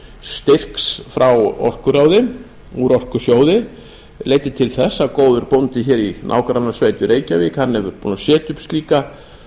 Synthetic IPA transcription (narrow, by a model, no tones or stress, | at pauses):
st̪ɪr̥ksfɾawɔ̰r̥kʏɾaːwðɪ | uɾɔr̥kʏsjoːwðɪ | leːjt̪ɪt̪ʰɪlθɛsːakoːwðʏɾpownt̪ɪçɛːɾinʔa̰ːwkɾanːasveːjt̪ʏɾeːjcavɪːkhanːɛvʏɾpuːnasjɛːt̪ʏpst̪liːka